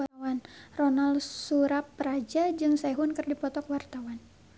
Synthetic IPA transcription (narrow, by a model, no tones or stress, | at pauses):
wanrɔnalsuɾapːɾad͡ʒad͡ʒɨŋsaɛɦunkɨrdipɔt̪ɔkwart̪awan